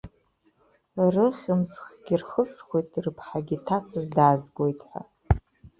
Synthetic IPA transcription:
rɨχʲɪmt͡sʰʼχɡʲirχəsχʷojtʼrɨpʰħaɡʲitʰat͡sʰɨzdaːzɡʷo̞jtʼħʷa̰

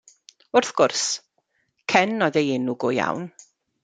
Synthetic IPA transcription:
ʊrθɡ̥ʊrs | kʰɛnɔðejɪnuɡʊja̰wn

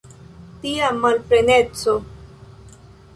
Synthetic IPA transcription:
t̪iamalpɾenet͡so

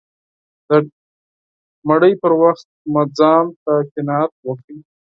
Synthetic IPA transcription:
d̪̥ə | maɽəjpəɾwaxt̪̚mad͡zɑmt̪akɪnɑjat̪̚wəki

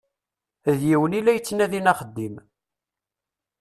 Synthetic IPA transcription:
ðjiwənilːæjət͡sːnæðinɑχəd̪ːim

